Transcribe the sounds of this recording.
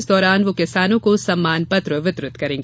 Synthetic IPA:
sd̪ɔːɾaːnʋokɪsaːnõkosɐmːaːnpɐt̪ɾəʋɪt̪ɾʊt̪kɐɾẽːŋɡeː

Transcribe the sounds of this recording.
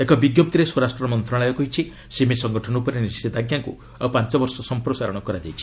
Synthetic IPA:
ekɔbiɡjop̚t̪iɾesoɾasʈɾɔmɔnt̪ɾaɭajɔkɔɦit͡ʃʰi | simisɔŋɡɔʈʰɔnupɔɾenisid̪aɡjaŋkṵ | pant͡ʃɔbɔɾsɔsɔmpɾɔsaɾɔɽ̃ɔkɔɾad͡ʒajt͡ʃʰi̥

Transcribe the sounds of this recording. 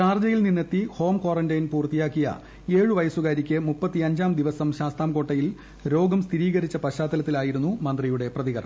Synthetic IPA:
t͡ɕaːrd͡ʑɐjilninːet̪ːiho̞ːmkwoːrɐndɐjnpuːrt̪ijaːkːijɐ̰ | e̞ːɻuʋɐjɐsuɣaːɾikʲːɨmupːɐt̪ːiɐɲd͡ʑaːmd̪iʋɐsɐmɕaːst̪aːmko̞ːʈːɐjil | ɾo̞ːɡɐmst̪ʰiɾiːɣɐɾit͡ɕːɐpɐɕaːt̪ːɐlɐt̪ːilaːjiɾunːumɐnd̪rijuɽe̞prɐðiɣɐɾɐ̰ɳ̰

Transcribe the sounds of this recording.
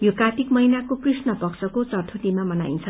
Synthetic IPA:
jokat̪ikmʌinakoprisnʌpʌksʌkot͡sʌrtʰuʈ̪imamʌna̰jint͡sʰʌ

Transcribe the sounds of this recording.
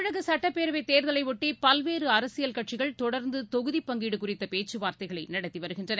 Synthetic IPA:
ɻɐɣɐsɐʈːɐpːeːɾɐʋɐɪt̪eːɾðɐlɐɪʋɔʈːipɐlʋeːɾɯɐɾɐsɪjɐlkɐʈ̚t͡ʃɪɣɐɭt̪ɔɽɐɾnd̪ɯt̪ɔɣɯðipːɐŋɡiːɽɯkʊrɪt̪ːɐpeːt͡ʃːɯʋaːɾt̪ɐɪɣɐɭɐɪnɐɽɐt̪ːiʋɐɾɯɣɪndrɐn

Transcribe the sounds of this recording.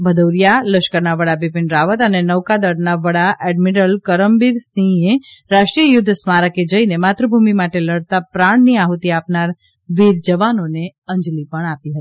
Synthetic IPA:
bʱəd̪owɾijaləʃkəɾnaʋəɽabipɪnɾaʋət̪ənenəwkad̪əɽnaʋəɽaʔɛɖmiɾəlkəɾəmbiɾsĩeɾaʃʈɾijəjʊd̪ʱːsmaɾəked͡ʒəinemat̪ɾəbʱumimaʈeləɽt̪apɾaɳ̃niaɦut̪iapnaɾ | ʋiɾd͡ʒəʋanoneə̃ɲd͡ʒlipəɳapiɦət̪i

